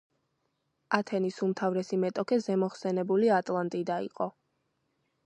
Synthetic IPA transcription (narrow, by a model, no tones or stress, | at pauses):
at̪ʰɛnisumt̪ʰavɾɛsimɛt̪ʼɔkʰɛzɛmɔχsɛnɛbuliat̪ʼlˠant̪ʼid̪aḭqʼɔ